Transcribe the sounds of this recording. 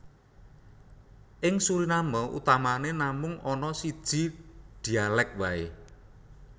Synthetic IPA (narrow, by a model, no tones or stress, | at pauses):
ʔɪŋsuɾinamɔʔṵt̪amanenamʊŋɔnɔsid̥ʒ̥i̤d̪̥i̤alɛk̚wae